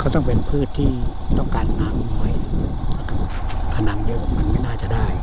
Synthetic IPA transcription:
kʰa˧˩wt̪ɔ˥˩ŋpe˧npʰɯː˥˩t̪ʰːiː˥˩ | t̪ɔ˥˩ŋkaː˧nːa˧˥ma˧˦j | t̪ʰa˧˩na˧˥mdi˧kʰːp̚ma˧nma˥˩˨jnaː˥˩t͡ɕa˨˩ʔda˥˩j

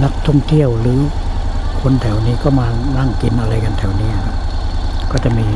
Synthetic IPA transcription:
na˧˥k̚t̪ʰɔ˥˩ŋt̪ʰi˧˥˨əwlɯː˨˦ | kʰo˧nt̪ʰɛ˨˩wniː˦˥˩kɔː˥˩maː˧na˧˥˨ŋki˨˦nʔa˧la˧jka˧nt̪ʰɛ˨˦wniː˧˦a˨˧˩ŋ˧˩kɔː˧˥˩t͡ɕa˧˩miː˧

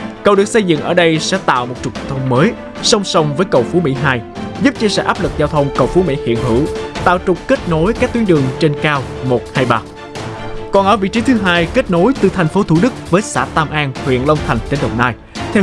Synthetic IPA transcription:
kə˨˩wɗɨ˨˩ək̚sə˧jzɨ̰˧˨ŋʔəː˧˩ɗə˧jsɛ̰˧˥t̪a̰ː˧˨wmo˨˩t̚t͡ɕʊ˨˩k͡pt̪ʰə˧wŋ͡mməː˨˦j | sə˧wŋ͡msə˧wŋ͡mvəː˨˦jkə̰˧˩wfu˨˦mḭ˧˥ɦaː˧jzu˦˥p̚t͡ɕi˧sɛ̰˧˥ʔaː˦˥p̚lɨ˨˩k̚zaː˧wt̪ʰə˧wŋ͡mkə̰˧˩wfu˨˦mḭ˧˥hḭ˧˨ənɦɨ̰˧˩˥t̪a̰ː˧˨wt͡ɕʊ˨˩k͡p̚ke˦˥t̚no˨˦jkaː˦˥k̚t̪i˨˦ənɗɨ˨˩əŋt͡ɕe˧nkaː˧wmo˨˩t̚haː˧jɓaː˧ | kɔ˨˩nʔəː˧˩vḭ˧˨t͡ɕi˨˦t̪ʰɨ˨˦ɦaː˧jke˦˥t̚no˨˦jt̪ɨ˨˩t̪ʰa˨˩jŋ̟fo˨˦t̪ʰu˧˩ɗɨ˦˥k̚vəː˨˦jsa̰ː˧˥t̪aː˧mʔaː˧nhwḭ˧˨ənlə˧wŋ͡mt̪ʰa˨˩ŋ̟t͡ɕe˨˧nɗə˨˩wŋ͡mnaː˧j | t̪ʰɛ˧

